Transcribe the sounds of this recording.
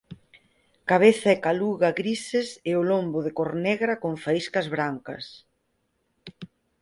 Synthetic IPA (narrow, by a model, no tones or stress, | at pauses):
kaβ̞eθɐekaluɣɐɣɾisɪsɪʊlombʊðɪkoɾnɛɣɾɐkoɱfaiskɐzβɾaŋkɐ̰s